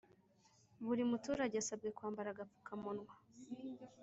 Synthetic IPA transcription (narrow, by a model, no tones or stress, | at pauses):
βuɾimutuːɾaɟeasab̚ɡe̞kwaːmbaɾaɡap͡fu̥kʰamonwa